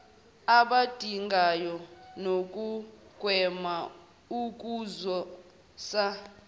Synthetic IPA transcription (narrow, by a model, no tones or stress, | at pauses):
aɓad̥ʱiŋɡʱajɔnok̬ʼukwɛma | uk̬ʼuzɔ | sa